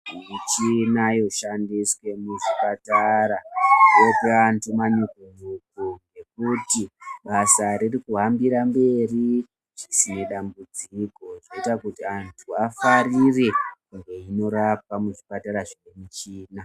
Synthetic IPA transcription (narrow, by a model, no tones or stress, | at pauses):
mit͡ʃinajo̞ʃandiswe̞muʐipataɾaopeantʰumanikunukuŋɡe̞k̚utiɓasaɾirikuɦambiɾambe̞ri | ʐisine̞ɗambud͡ziko̞ʐoitakutiantʰuafarirekuŋɡe̞ino̞ɾap̚amuʐipataɾaʐonemit͡ʃiːna